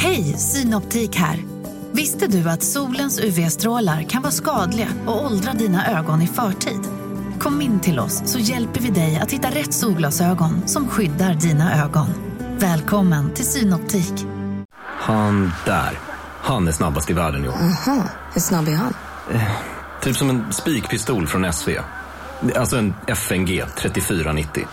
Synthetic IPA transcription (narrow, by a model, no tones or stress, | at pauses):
hɛjsyːnɔpt̪ʰiːkhæ̰ːɾ | vɪst̪əd̪ɵat̪suːlənsʉvɛɛst̪ɾoːlaɾkʰanvɑːskɑːd̪lɪɡa̰ɔɔld̪ɾad̪iːnaʔøːɡɔnɪfœːʈʰḭːd̪ | kʰɔmːɪnːt̪ʰɪlɔ̰sːɔjɛlpəɾvɪd̪ɛja̰t̪hɪt̪ːaɾɛt̪ːsuːlɡlɑsøːɡɔnsɔmɧʏd̪ːaɾɖiːnaʔøːɡɔnvɛːlkʰɔmːənt̪ʰɪlsyːnɔp̚t̪ʰiːk | hand̪̥æ̰ːɾ | hanæʂnabːast̪ɪvæːɖənjʊ̰ahɑ | hɵʂnabæɾɦa̰n | t̪ʰyːpsɔmɛnspiːkpʰɪst̪uːlfɾɔnɛsvḛː | alsɔɛnɛfɛmɡeːt̪ʰɾɛt̪ːɪfyːɾanɪt̪ʰːɪ̰